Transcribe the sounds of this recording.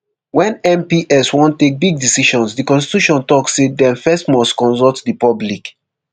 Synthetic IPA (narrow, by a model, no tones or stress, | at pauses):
wɛ̃nɛ̃mpiʔɛswɔ̃ntek̚biɡ̚disiʃɔ̃nsdikɔ̃nsti̥tuʃɔ̃ntɔksːedɛ̃nfɛstmɔstkɔ̃nsɔltdipɔblik